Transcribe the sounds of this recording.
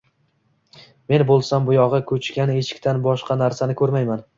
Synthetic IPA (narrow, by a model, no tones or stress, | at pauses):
me̞nbolˠsambʊjɒʁɨkʰɵt͡ʃʰkʲane̞ʃɪ̥kʲt̪ʰanbɒʃqɑnaɾsanɪkʰɵɾmajman